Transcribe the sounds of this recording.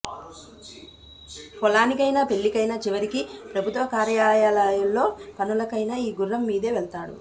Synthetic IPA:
pɔlaːnikɐjnaːpe̞ɭːikɐjnaːt͡ʃiʋɐɾikipɾɐbʱut̪ʋɐkaːɾjaːljaːlajulːo̞ːpɐnulɐkɐjnaːiːɡurːɐmːiːd̪e̞ːʋeɭt̪aːɽṵ

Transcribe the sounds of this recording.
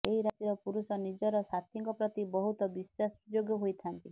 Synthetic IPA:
eɦiɾat̪iɾɔpuɾusɔnid͡ʒɔɾɔsat̪ʰiŋkɔpɾɔt̪ibɔɦut̪ɔbiswasd͡ʒoɡjɔɦojt̪ʰant̪i

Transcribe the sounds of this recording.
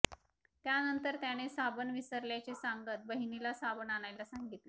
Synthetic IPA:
t̪janənt̪əɾt̪jaɽ̃esabənʋisəɾljat͡sesaŋɡət̪̚bəɦinilasabənaɽ̃ajlasaŋɡit̪le

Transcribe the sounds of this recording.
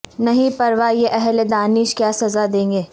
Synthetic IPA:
nɐɦĩpɐɾʋajeʔɛɦled̪aːnɪʃkjaːsɐzad̪ẽːŋ̆ɡeː

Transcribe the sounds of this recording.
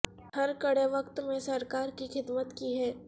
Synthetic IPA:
hɐɾkɐɽeʋɐkt̪mẽsɐɾkaːɾkixɪd̪mət̪kiɦɛː

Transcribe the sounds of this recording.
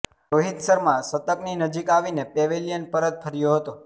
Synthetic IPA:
ɾoɦid̪səɾmãsət̪əkninəd͡ʒikaʋinepeʋelijənpəɾət̪̚pʰəɾjoɦət̪o

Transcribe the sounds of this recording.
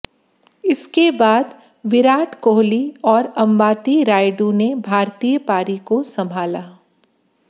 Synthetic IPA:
ɪskebaːd̪ | ʋɪɾaːʈʰkoːɦliɔːɾɐ̃mbaːt̪iɾaːɪɖũnebʱaːɾt̪iːjəpaːɾikosɐ̃mbʱaːlaː

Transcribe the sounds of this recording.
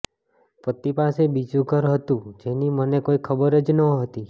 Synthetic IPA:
pət̪ipasebid͡ʒũɡʱəɾɦət̪ũd͡ʒenimənekoikʰəbəɾəd͡ʒnəɦət̪i

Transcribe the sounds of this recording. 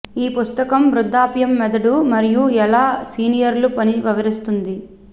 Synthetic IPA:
iːpust̪ɐkɐmʋɾud̪ːaːpjɐmːɛd̪ɐɽumɐɾijuɛlaːsiːnijɐɾlupɐniʋɐʋɐɾist̪und̪i

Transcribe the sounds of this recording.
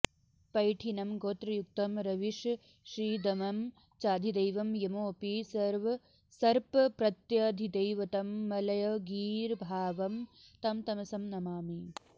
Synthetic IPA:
pɐjʈʰinɐmɡoːt̪ɾɐjuk̚t̪ɐmɾɐʋiʂ | ʃɾiːd̪ɐmɐm | t͡ʃaːd̪ʱid̪ɐjʋɐmjɐmoːpisɐɾʋɐ | sɐɾpɐpɾɐt̪jɐd̪ʱid̪ɐjʋɐt̪ɐmːɐlɐjɐɡiːɾbʱaːʋɐmt̪ɐmt̪ɐmɐsɐmnɐmaːmi

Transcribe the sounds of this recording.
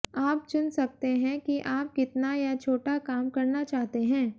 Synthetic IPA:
aːp̚t͡ʃʊnsɐk̚t̪eɦɛ̃kiʔaːp̚kɪt̪najat͡ʃʰoːʈakaːmkɐɾnat͡ʃaːɦt̪eɦɛ̃ː

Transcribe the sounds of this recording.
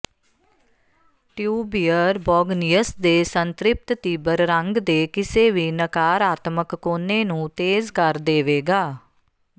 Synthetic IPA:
ʈjuːbiːəɾbɔːɡnijəsd̪eːsənt̪ɾɪp̚t̪t̪iːbəɾɾəŋɡd̪eːkɪseːʋiːnəkaːɾaːt̪məkːoːneːnũːt̪eːzkəɾd̪eːʋeːɡaː

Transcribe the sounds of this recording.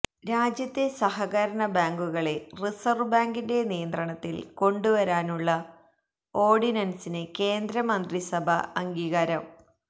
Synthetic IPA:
ɾaːd͡ʑjɐt̪ːe̞sɐɦɐɣɐɾɐɳɐbaːŋɡuɣɐɭe̞risɐrʋbaːŋɡinde̞nijɐnd̪rɐɳɐt̪ːilko̞ɳɖuʋɐɾaːnuɭːɐ | o̞ːrɖinɐnsineke̞ːnd̪ɾɐmɐnd̪risɐbʱɐ̰ɐŋɡiːɣɐɾɐm

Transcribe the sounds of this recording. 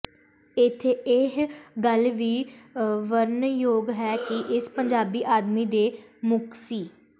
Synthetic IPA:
ɪt̪ʰːeɪɦɡəlʋiːʋəɾnjoːɡɦɛːkɪʔɪspəɲd͡ʒaːbiːʔaːd̪miːd̪eːmʊksiː

